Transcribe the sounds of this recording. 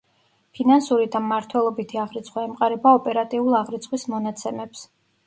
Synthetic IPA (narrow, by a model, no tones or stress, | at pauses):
pʰinansuɾid̪amːaɾt̪ʰwɛlˠɔbit̪ʰiaʁɾit̪sʰʼχʼwɔɛmqʼaɾɛbaɔpʼɛɾat̪ʼiulˠaʁɾit̪sʼχwismɔnat̪sʰɛmɛps